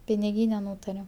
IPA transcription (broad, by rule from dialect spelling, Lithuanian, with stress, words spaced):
pʲɪnʲɪˈɡʲiːnʲɛ ˈnuːtɐrʲɛm